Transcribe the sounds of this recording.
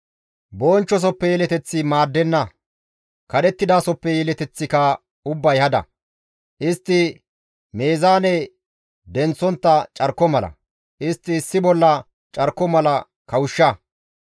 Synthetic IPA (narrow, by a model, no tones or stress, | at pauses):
bo̞ːnt͡ʃːɔs̬ɔpːɛjɛlɛt̪ɛt͡sːɪmaːd̪ːɛnːɐ | kɐɗ̪ɛt̪ːɪd̪aːsɔpːɛjɛlɛt̪ɛt͡sːɪkɐ | ʊbːɐjhɐd̪ɐ̰ | ʔɪst̪ːɪ | me̞ːzaːnɛ | d̪ɛnt͡sːɔnt̪ːɐt͡ʃʼɐɾkːɔmɐlɐ̰ | ʔɪst̪ːɪːsːɪbɔlːɐ | t͡ʃʼɐɾkːɔmɐlɐ | kɐwʊʃːɐ